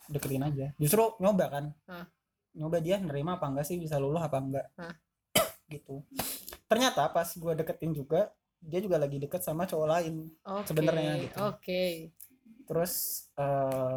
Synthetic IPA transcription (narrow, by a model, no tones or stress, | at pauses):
dəkət̪ɪnad͡ʒad͡ʒust̪ɾuɲobakan | ɲobadianəɾimaːpaŋɡaʔsɪhbis̬alulʊɦapaŋɡaʔ | ɡit̪ut̪ərɲat̪apasɡuadəkət̪ɪnd͡ʒuɡa | diad͡ʒuɡalaɡidəkət̪̚samat͡ʃolaɪnsəbənərɲaɡit̪uoke | t̪əɾʊsəː